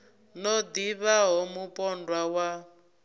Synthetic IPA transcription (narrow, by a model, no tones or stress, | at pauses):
nɔd̪iβaɦɔmupʼɔndwawa